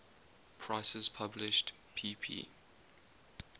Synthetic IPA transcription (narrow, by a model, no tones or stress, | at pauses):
pʰɹ̥aɪsəz̥pʰablɪʃt | pʰiːpʰḭː